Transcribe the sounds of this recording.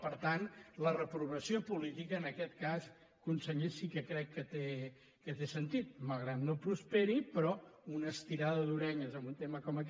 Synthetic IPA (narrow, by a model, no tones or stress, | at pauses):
pəɾt̪anlərəpɾuβəsiopulit̪ikəːnəkɛt̪kas | kunsəɲesikəkɾɛkːət̪e | kət̪esənt̪it̪̚malˠɣɾat̪nopɾuspeɾipɾɔunəst̪iɾaðəðuɾɛɲəzəmbunt̪eməkɔmək